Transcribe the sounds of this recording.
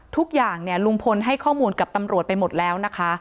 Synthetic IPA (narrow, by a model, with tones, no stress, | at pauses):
t̪ʰu˦˥k̚jaː˨˩ŋni˥˩ɐlu˧ŋpʰo˧nɦa˥˩jkʰɔː˥˩muː˧nka˨˩p̚t̪a˧mɾu˨˩ət̪̚pa˧jmo˨˩t̪̚lɛː˦˥wna˦˥kʰa˦˥